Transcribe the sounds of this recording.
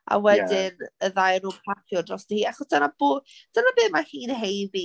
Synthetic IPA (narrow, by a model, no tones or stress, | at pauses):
a̰wɛdɪnəðajnupʰakʰjɔdrɔsd̥ihiːaχɔsd̥ənab̥oːd̥ənabɨːðmahiːnɦejvi